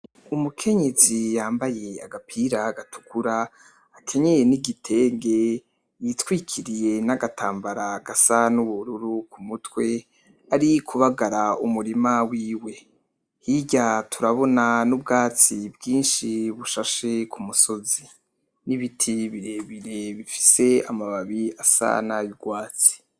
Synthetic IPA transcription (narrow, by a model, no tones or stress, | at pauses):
umukʰe̞ɲe̞zijaːmbaje̞a̰ɡapʰiɾaɡatu̥kuɾaː | kʰe̞ɲejeniɡitʰe̞ːŋɡe̞ | jitwiːkʰiɾije̞naɡatʰaːmbaɾaɡasanuβuɾuɾukumutwe̞ | aɾikʰuβaɡaɾaumuɾimawiːwe̞ | hiɟatʰuɾaβo̞nanub̚ɡaːt͡sibɡiːnʃiβuʃaʃe̞kumuso̞zi | niβitʰiβiɾe̞βiɾe̞βifi̥se̞amaβaβiasa̰najiɡwaːt͡si̥